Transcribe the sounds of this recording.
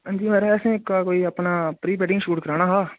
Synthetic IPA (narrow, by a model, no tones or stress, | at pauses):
ə̃nd͡ʒiːmɛːɾɛɛːsẽːkaːkoːiːəpnaːpɾiːpɛɖɪ̃ŋɡʃuːʈkəɾaːnaːɦaː